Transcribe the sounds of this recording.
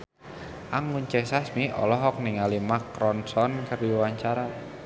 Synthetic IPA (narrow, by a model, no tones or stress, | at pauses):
ʔaŋunt͡ʃɛsasmiʔɔ̰lɔɦɔk̚niŋalimakɾɔnsɔnkərdiwaɲt͡ʃaɾa